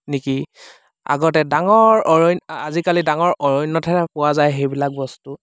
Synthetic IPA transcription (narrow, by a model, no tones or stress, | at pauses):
niki | a̰ɡɔtɛdaŋɔɹɔɹɔjnazikalidaŋɔɹʔɔɹɔjnːɔtʰɛpʊwazajxejbilak̚bɔstu